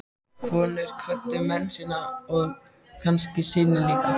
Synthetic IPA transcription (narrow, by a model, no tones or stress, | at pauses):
kʰvɔːnɪɾ̥kʰvœht̪ːʏmɛnːsiːnaɔɣ | kʰanscɪsɪːnɪliːka